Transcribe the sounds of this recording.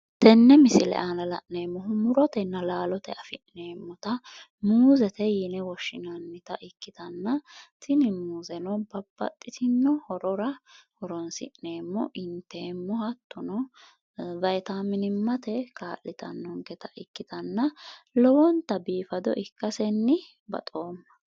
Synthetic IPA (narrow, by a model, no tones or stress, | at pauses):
t̪ɛnːɛmɪsɪlɛ̰ʔanɐlɐ̰ʔne̞ːmːɔɦʊmʊɾɔt̪ɛnːɐlaːlɔt̪ɛʔɐfɪʔneːmːɔt̪ɐ | muːzɛt̪ɛjinɛwɔʃːɪnɐnːɪt̪ɐʔɪkːɪt̪ɐnːɐt̪ʰɪnɪmuːzɛnɔbɐb̥ːɐ̰t̪ʼːɪt̪ɪnːɔhɔɾɔɾɐhɔɾɔnsɪ̰ʔːeːmːɔ̰ʔɪnt̪ɛmːɔhɐt̪ːɔnɔ | vɐjt̪aːmːɪnɪmːɐt̪ɛkʰaːʔɪt̪ɐ̰nːɔŋkɛt̪ʰɐʔɪkːɪt̪ɐnːɐlɔwɔnt̪ɐbiːfɐd̪ɔ̰ʔɪkːɐsɛnːɪ | bɐ̰t̪ʼo̞ːmːɐ̥